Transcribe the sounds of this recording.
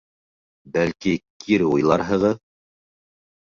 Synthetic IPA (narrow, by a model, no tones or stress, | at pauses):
bælkikʰiɾujlˠɑɾɦɤ̆ʁɤð